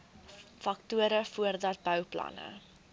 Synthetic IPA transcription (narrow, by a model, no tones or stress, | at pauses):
fɐk̚tuəɾəfuərdɐt̚bœwplɐ̰nə̰